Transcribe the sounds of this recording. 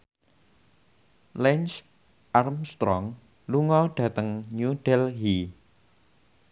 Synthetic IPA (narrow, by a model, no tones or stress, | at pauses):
lɛnt͡ʃ | ʔarmst̪ɾɔŋ | luŋɔɖ̥ä̤t̪əŋɲuɖ̥ɛlɦi